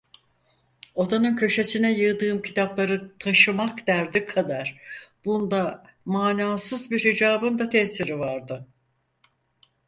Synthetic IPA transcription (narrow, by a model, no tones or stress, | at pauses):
o̞d̪anɯncʰø̞ʃe̞sinɛjɯd̪ɯːmcʰit̪ʰablˠaɾɯt̪ʰaʃɯmakd̪̥æɾd̪ikʰad̪aɾ̥b̥und̪a | maːnaːsɯzbiɾhid͡ʒaːbɯnd̪at̪ʰɛsiɾivaɾd̪ɯ